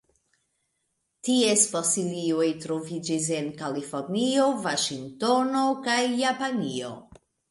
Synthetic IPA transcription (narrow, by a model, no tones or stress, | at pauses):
tie̞sfosiliojtɾo̞vid͡ʒis̬e̞nkalifo̞ɾnio̞vaʃiŋto̞no̞kajːapanio̞̰